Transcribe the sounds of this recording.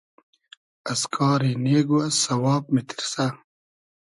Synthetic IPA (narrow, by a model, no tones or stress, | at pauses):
ɐskʰɑːɾineːɡuɐssɐwɑːb̚mit̪ʰi̥ɾsa